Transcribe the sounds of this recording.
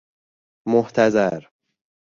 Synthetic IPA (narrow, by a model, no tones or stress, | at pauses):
moht̪ʰæzæɾ